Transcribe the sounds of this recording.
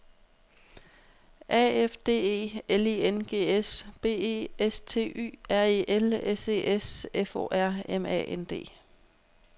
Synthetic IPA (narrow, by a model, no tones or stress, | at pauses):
ʔɛ̰ːefd̥e̝̰ːe̝̰ːelienɡ̥e̝̰ːesb̥e̝̰ːe̝̰ːest͡sʰe̝̰ːy̰ːæɐ̰iʔelese̝̰ːʔesefo̰ːʔæɐ̰emɛ̰ːend̥e̝̰ː